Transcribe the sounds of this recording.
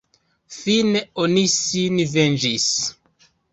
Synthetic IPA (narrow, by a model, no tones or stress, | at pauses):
fineonisinvend͡ʒis